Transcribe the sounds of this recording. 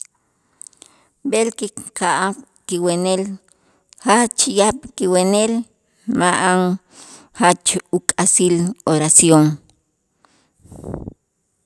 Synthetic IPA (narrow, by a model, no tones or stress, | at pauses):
belkiqʰaʔaq | kiwenel | hat͡ʃjaɓkiwenel | maʔaŋ | hat͡ʃukʼasiloɾasjoŋ